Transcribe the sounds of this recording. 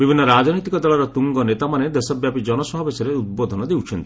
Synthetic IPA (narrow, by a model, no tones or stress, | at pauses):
bibʱinːɔɾad͡ʒɔnɔjt̪ikɔd̪ɔɭɔɾɔt̪uŋɡɔnet̪amaned̪esɔbjapid͡ʒɔnɔsɔɦɔbesɔɾeud̪̚bod̪ʱɔnɔd̪ewt͡ʃʰɔnt̪i